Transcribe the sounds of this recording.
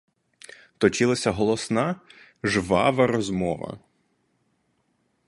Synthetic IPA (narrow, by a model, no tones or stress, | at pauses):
t̪ɔt͡ʃɪlˠɐsʲɐɦɔlˠɔsnɑ | ʒʋɑʋɐɾɔzmɔʋɐ̰